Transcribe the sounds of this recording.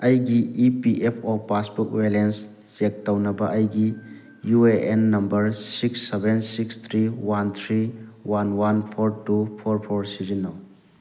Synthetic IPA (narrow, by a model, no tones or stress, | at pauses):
ɐjɡiipiʔepʰopaspɔk̚welens | z̥ek̚tɐwnɐbɐʔɐjɡi | jueenːɐmbɐɾsiksːebensikst̪ʰɾiwant̪ʰɾiwanwanpʰoɾtupʰoɾpʰoɾsizinow